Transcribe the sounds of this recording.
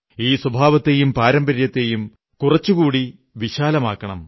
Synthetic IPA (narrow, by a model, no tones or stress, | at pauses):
iːswɐbʱaːʋɐt̪ːejumpaːɾɐmbɐɾjɐt̪ːejum | kurɐt͡ɕːukuːɽi | ʋiɕaːlɐmaːkːɐɳɐm